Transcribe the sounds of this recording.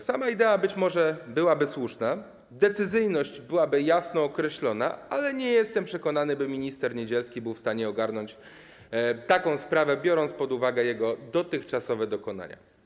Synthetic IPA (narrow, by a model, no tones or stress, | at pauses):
samaid̪ɛabɘt͡ɕmɔʐɛbɘwabɘswuʂna | d̪ɛt̪sɘzɘjnɔɕd͡ʑbɘwabɘjasnɔːkɾɛɕlɔna̰alɛɲɛjɛst̪ɛmpʂɛkɔnanɘbɘmʲiɲist̪ɛɾɲed͡ʑɛlskʲibɘwfst̪aɲɛɔɡaɾnɔɲt͡ɕ | t̪akɔ̃w̃spɾavɛbʲjɔɾɔnt̪spɔd̪uvaɡɛjɛɡɔd̪ɔt̪ɘxt͡ʂasɔvɛd̪ɔkɔna̰ɲa̰